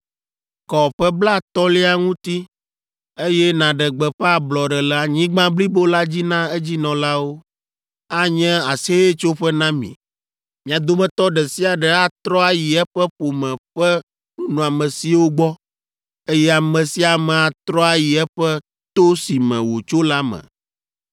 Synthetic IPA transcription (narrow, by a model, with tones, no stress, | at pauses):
kɔ˨ɸɛ˦bla˦t̪ɔ˦li˦a˨ŋũ˦t̪i˦ | e˦jɛ˦nã˨ɖɛ˨ɡ͡bɛ˨ɸɛ˦a˨blɔ˨ɖɛ˨lɛ˨a˨ɲĩ˦ɡ͡bã˦bli˦bo˦la˦d͡ʑi˦nã˦e˦d͡ʑi˦nɔ̃˨la˦wo˦ | a˦ɲɛ̃˦a˨se˦je˦t͡ʃo˦ɸɛ˦nã˦mḭ̃˨ | mĩ˨a˨d̪o˦mɛ̃˨t̪ɔ˦ɖɛ˨si˦a˨ɖɛ˨a˦t̪ɾɔ˦a˦ji˨ɛ˦ɸɛ˦ɸo˨mɛ̃˨ɸɛ˦ | nũ˦nũ˨a˨mɛ̃˨si˨˦wo˦ɡ͡bɔ˦ | e˦jɛ˦a˨mɛ̃˨si˦a˨mɛ̃˨a˨t̪ɾɔ˦a˨ji˨ɛ˦ɸɛ˦ | t̪o˦si˨mɛ̰̃˨wo˨t͡ʃo˦la˦mɛ̰̃˨